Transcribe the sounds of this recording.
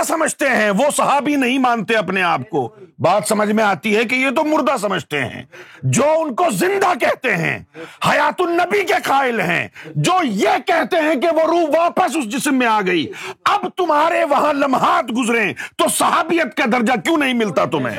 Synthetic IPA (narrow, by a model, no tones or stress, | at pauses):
sɐməd͡ʒʱt̪eɦɛ̃ʋosɐɦaːbinɐɦĩmãːnt̪eɐpneaːp̚ko̰baːt̪sɐməd͡ʒʱmẽaːt̪iɦɛk̬ejet̪̬omʊɾd̪as̬ɐməd͡ʒʱt̪ḛɦɛ̰̃ːd͡ʒoːʊnkozɪ̃nd̪akɛɦt̪eɦɛ̰̃ːhɐjaːt̪ʊnːɐbikeqaːɪlɦɛ̰̃ːd͡ʒoːjekɛɦt̪eɦɛ̃k̬eʋoɾuːʋaːpəs̬ʊsd͡ʒɪsmːẽaːɡɐiːɐbt̪ʊmɦaːɾeʋɐɦãlɐmɦaːt̪ɡʊzɾẽt̪osɐɦaːbijət̪kad̪ɐɾd͡ʒakjũːnɐɦĩmɪlt̪at̪ʊmḛ̃ː